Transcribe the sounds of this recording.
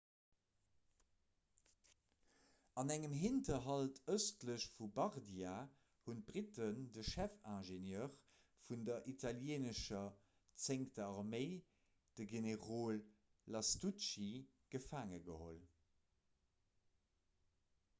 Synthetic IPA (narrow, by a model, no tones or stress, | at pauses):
ɑnæŋəmɦintɐɦɑltʰəstləɕfubɑʁdia | hunb̥ʁitəndəʃæfæ̃ːʒenjœːʁ | fundɐʔitʰɑljeːnəʃɐ | t͡seŋktəɑʁmeɪ | d̥əɡeneʁoːlː | ɑstuʃi | ɡ̥əfaːŋəɡəho̰l